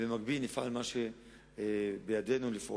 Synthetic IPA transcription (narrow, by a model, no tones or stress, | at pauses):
lemaɡ̚bilnifa̰lmaʃe | bejad̪e̞nulifʔo